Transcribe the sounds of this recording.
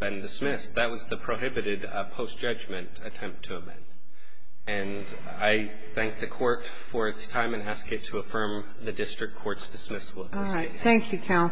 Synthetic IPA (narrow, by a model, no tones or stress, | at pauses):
b̥ɨ̃ndɨsmɪsðɨt̚wʌzðɨpʰɹ̥oʊɦɪbɨɾɪd | pʰoʊsd̥ʒ̥ʌd͡ʒmɨ̃ntɨtʰɛ̃mp̚tʰɨəmɛ̰̃nd̥ | ɨ̃n | aɪ | θæ̃ŋk̚ðɨkʰɔɹt | fə˞ɨtstʰãɪ̃mɨ̃næskɨtʰəːfɜ̃˞m | ðɨdɪstɹ̥ɨk̚kʰːɔɹtsd̥ɨsmɪsl̩ˠʌv | θæ̃ŋkʰjɨkʰãʊ̃n